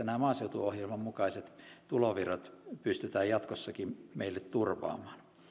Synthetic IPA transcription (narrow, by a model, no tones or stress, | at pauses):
ænæˑmɑːseut̪uohjelmɑmmukɑiset̪t̪uloʋirɑt̪pyst̪yt̪æːjjɑt̪kosːɑkimmeilːet̪turʋɑ̰ːmɑ̥ːn